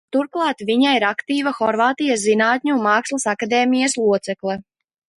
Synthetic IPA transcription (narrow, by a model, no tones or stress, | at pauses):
t̪uɾklˠɑːt̪viɲaiɾakt̪iːvaxɔɾvaːt̪ijaszinaːt̪ʲɲunmaːkslˠɐsakad̪eːmijɐslˠuɔt̪sɛklˠɛ